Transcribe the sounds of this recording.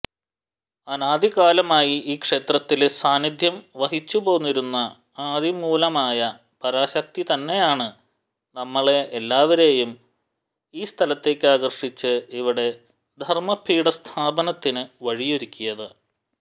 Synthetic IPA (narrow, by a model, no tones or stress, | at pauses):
ɐnaːd̪ʱiɣaːlɐmaːjiiːkʂe̞ːt̪rɐt̪ːilsaːnid̪ʱjɐmʋɐɦit͡ɕːubo̞ːnːiɾunːɐ | aːd̪ʱimuːlɐmaːjɐ | pɐɾaːɕɐk̚t̪it̪ɐnːe̞jaːɳɨ | nɐmːɐɭe̞ʔelːaːʋɐɾe̞ːjum | iːst̪ʰɐlɐt̪ːe̞ːkːɨaːɣɐrʂit͡ɕːɨiʋiɽe̞ | d̪ʱɐrmɐpʰːiːɽɐst̪ʰaːbɐnɐt̪ːinɨʋɐɻijoɾukʲːijɐðɨ